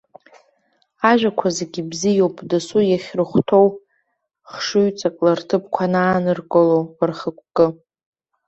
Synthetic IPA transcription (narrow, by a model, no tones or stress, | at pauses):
aʒʷᶣakʷʰazeɡʲibzijowpʼdasujaχʲrɨχʷtʰo̞w | χʂɨɥt͡sʼakʼlartʰɨp̚ʰʼkʷʰanaːnɨrkʼolowrχəkʷʰʼkʼɨ